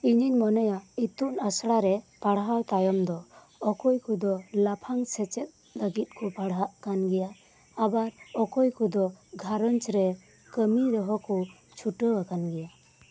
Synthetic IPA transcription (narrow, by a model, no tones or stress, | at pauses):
iɲiɲmɔnɔjait̪unasɽaɾɛpaɽɦawt̪ajɔmd̪ɔ | ɔkɔjkud̪ɔlapʰaŋsɛt͡ʃɛt̪̚ | ləɡit̪̚kupaɽɦaʔkanɡɛjaː | baɾɔkɔjkud̪ɔɡʱaɾɔnt͡ʃɾɛ | kəmiɾɔɦɔku | t͡ʃʰuʈəakanɡɛja